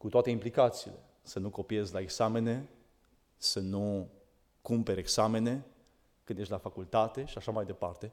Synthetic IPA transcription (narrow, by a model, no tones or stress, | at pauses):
kut̪oat̪e̞implikat̪siːle̞ | sənuko̞pie̞zʲlaeɡsame̞ne̞ | sənu | kumpe̞ɾʲeɡsame̞ne̞ | kɨnd̪eʃʲt̪ʲlafakult̪at̪e̞ʃiaʃamajd̪e̞part̪e̞